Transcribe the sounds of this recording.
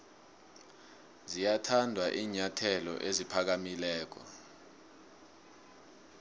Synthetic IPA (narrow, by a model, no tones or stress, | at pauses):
zijatʰandʱwaʔiːɲatʰɛlɔ̰ʔezipʰak̬amilɛːk̬ɔ̰